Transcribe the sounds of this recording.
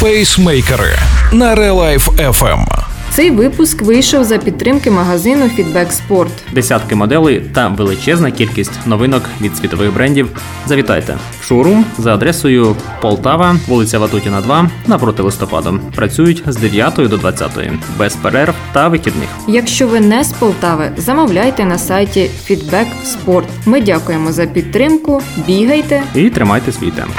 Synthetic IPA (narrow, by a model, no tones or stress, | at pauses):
fɛjsmɛjkɛɾɪ̰nɐɾɛlˠajfɛfɛ̰mt̪sɛjʋɪpʊskʋɪjʃɔwzɐpʲid̪t̪t̪ːɾɪmkɪmɐɦɐzɪnʊfʲid̪bɛkspɔrt̪d̪esʲat̪kɪmɔd̪ɛlˠɪjt̪ɐʋelˠɪt͡ʃɛznɐkʲilʲkʲisʲtʲnɔʋɪnɔkʋʲid̪sʲʋʲit̪ɔʋɪɣbɾɛnʲdʲiw | zɐʋʲit̪ɑ̰jt̪ɛ̰ | ʃɔɾʊzɐːd̪ɾɛsɔjʊ | pɔlˠt̪ɑʋɐʋulˠɪt͡sʲɐʋɐt̪utʲinɐd̪ʋɑnɐpɾɔt̪ɪlˠɪst̪ɔpɑ̰d̪ɔ̰pɾɐt͡sʲujʊtʲzd̪eʋʲjat̪ɔjʊd̪ɔd̪ʋɐt͡sʲːa̰t̪ɔ̰jʊ̰bɛspɛɾɛrwt̪ɐʋɪxʲid̪nɪ̰xjɐkʃt͡ʃɔʋɪnɛspɔlˠt̪ɑʋɪzɐmɔwlʲajt̪ɛnɐsɑjtʲifʲid̪bɛk | spɔrt̪mɪdʲakʊjemɔzɐpʲid̪̚t̪ːɾɪmkʊbʲiɦɐjt̪ɛit̪ɾɪmɑjt̪ɛsʲʋʲḭjt̪ɛ̰mp